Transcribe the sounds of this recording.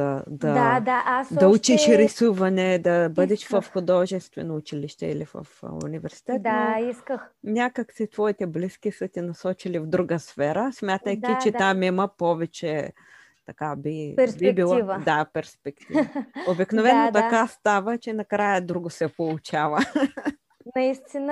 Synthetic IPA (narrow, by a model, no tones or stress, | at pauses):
ɐd̪ɐad̪aasɐut͡ʃiʃɾɛsuvɐnɛd̪ɐbɤd̪ɛʃvɐfxʊd̪ɔʒɛst̪vɛ̰noːt͡ʃiliʃt̪ɛ̰ilivɐ̰fṵnivɛɾsi̥t̪ɛt̪oiskəxnʲakəksit̪vɔit̪ɛblisk̟isət̪inɐsɔt͡ʃilivd̪ɾuɡəsfɛɾəsmʲjat̪əjk̪it͡ʃɛt̪amiməpɔvɛt͡ʃɛ | t̪ɐkabipbibilˠavd̪apɛɾspɛkt̪ḭobiknovɛnːot̪ɐkast̪avət͡ʃɛnɐkɾajəd̪ɾuɡosɛpolˠut͡ʃavə | nɐist̪in